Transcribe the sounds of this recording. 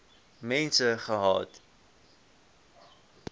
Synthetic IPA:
mɛnsəχəɦɑ̰ːt

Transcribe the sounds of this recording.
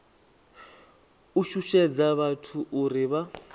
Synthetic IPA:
uʃuʃɛd͡zaβatʰuʔuɾiβa

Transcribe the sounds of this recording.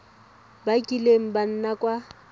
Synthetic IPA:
bakʼileŋ̩ban̩nakʼwa

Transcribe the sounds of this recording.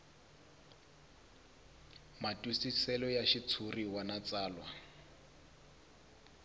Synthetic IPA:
matʼusisɛlɔjaʃit͡sʰuriwanat͡saːlwa

